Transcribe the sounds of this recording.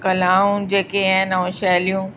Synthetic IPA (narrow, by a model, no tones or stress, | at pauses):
kɐlaːũd͡ʑeːkeaːɦɪnɐʋũʃɛːlijũ